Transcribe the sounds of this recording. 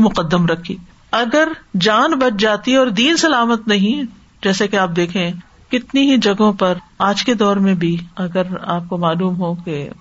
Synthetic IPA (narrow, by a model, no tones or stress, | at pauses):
mʊqəd̪ːəmɾɐkʰḭː | ɐɡəɾd͡ʒaːnbɐʈ̚ʰd͡ʒaːt̪iɔːɾd̪iːnsɐlaːmət̪nɐɦĩ | d͡ʒɛːsekeaːp̚d̪eːkʰẽ | kɪt̪niɦid͡ʒɐɡõpɐɾaːd͡ʒked̪ɔːɾmẽbʱiɐɡəɾaːp̚komaːluːmɦoke